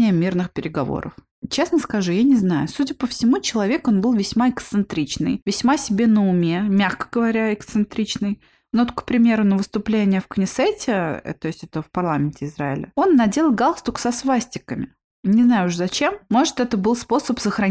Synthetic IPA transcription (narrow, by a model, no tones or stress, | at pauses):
ɪjəmʲirnɨxpʲɪɾʲɪɡɐvo̰ɾə̰f | t͡ɕe̞snəskɐʐujanʲɪznajʊsudʲɪpəfsʲɪmut͡ɕɪlˠɐvʲe̞ko̞nbɨlˠvʲɪsʲmaɪkt̪sɨnt̪ɾʲit͡ɕnɨ̰jvʲɪsʲmasʲɪbʲenəʊmʲe̞mʲaxkə̥ɡəvɐɾʲaɪkt̪sɨnt̪ɾʲit͡ɕnɨj | not̪kpɾʲɪmʲe̞ɾʊnəvɨst̪ʊplʲenʲɪjəfknʲɪsɛtʲɪ̰t̪oɪsʲtʲɛt̪əfpɐrlˠamʲɪnʲtʲɪɪzɾaɪ̰lʲə̰o̞nːɐdʲelʲˠəɡalˠst̪ʊksɐsvasʲtʲɪkəmʲɪ | nʲɪznajʊʂzɐt͡ɕe̞mːo̞ʐɨt̪ɛt̪əbɨlˠspo̞səpsəxɾɐ